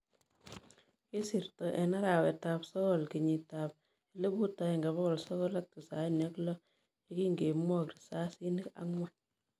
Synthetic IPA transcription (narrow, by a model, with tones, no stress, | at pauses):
ɪ˦si˨ɾtɔ˨ʔɛ˨na˦ɾa˨wɛ˨ta˨psɔ˦kɔ˨lki˨ɲi˨ta˨p̚ | i˦le˦bu˦ta˨ɛ˨ŋɡa˨βɔ˦kɔ˨lsɔ˦kɔ˦la˦k̚ti˨sa˨nja˦klɔ˦ | i˦ki˦ŋɡe˨mwɔ˦kɾi̥˨sa˦si˦ni˦ka̰˦ŋwɛ˦